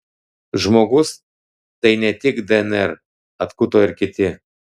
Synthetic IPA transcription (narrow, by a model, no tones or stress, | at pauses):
ʒmoɡʊs | t̪ɐɪnʲɛt̪ʲɪkd̪ɛɛnɛɾ | ɐt̪kut̪oːɪɾkʲɪt̪ʲɪ